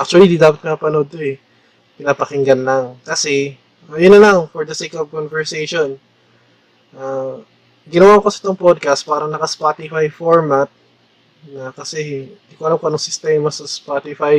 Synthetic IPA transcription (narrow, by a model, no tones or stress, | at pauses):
ʔak̚t͡ʃʊɐlid̪id̪aːpɐt̪̚kɐŋɐpɐnod̪̚t̪oɛ | pɪnaːpɐkɪŋɡɐnlaŋkɐsɛ | ajʊnːɐlaŋfɔɹd̪ɐsejkovkonvɛɹsejʃon | ʔa | ɡɪnɐwaːkosɐʔɪ̥t̪oŋpod̪̚kɐst̪̚paːɾɐŋnɐkɐspaːt̪ɪfajfoɹmat̪̚ | nɐkɐsɛhnnd̪iːkoʔɐlamkonoŋsɪst̪ɛmɐsɐspat̪ɪfaj